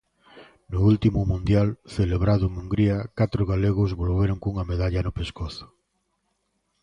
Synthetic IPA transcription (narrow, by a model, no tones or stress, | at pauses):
nʊult̪imʊmũnd̪jalθeleβɾaðʊeŋuŋɡɾiakat̪ɾʊɣ̞aleɣʊzβolβeɾoŋkuŋameðaʎanʊpeskoθʊ̥